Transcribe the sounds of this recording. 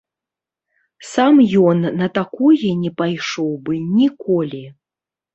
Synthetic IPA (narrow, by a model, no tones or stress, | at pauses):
samjɔnːɐt̪akɔjɛnʲɛpajʂɔwbɨnʲikɔlʲi